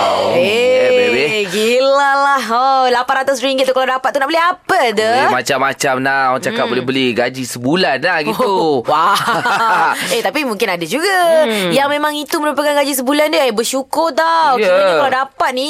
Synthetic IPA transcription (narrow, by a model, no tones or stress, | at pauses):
ebeɡilalaholapanɾat̪ʊs̬ɾiŋɡɪt̪ukaladapat̪̚unaʔbəlɛɦapəd̪əmat͡ʃamːat͡ʃamnawaŋt͡ʃakat̚bolɛɦbəlɛhɡad͡ʒisəbulanːahɡit̪uwa | et̪apimũŋkɪnadad͡ʒuɡajaŋmẽmãŋit̪uməɾupakanɡad͡ʒisəbulandebəʃukʊrt̪awaakaladapat̪̚nĩ